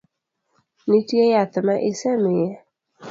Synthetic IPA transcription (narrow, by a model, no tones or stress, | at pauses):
nitjejat̪ɪmaʔɪsɛmɪjɛ